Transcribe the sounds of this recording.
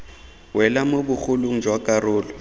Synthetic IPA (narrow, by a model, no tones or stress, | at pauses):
wʔɛlamobʊk͡xʊlʊŋ̩d͡ʒwakʼarʊːlɔ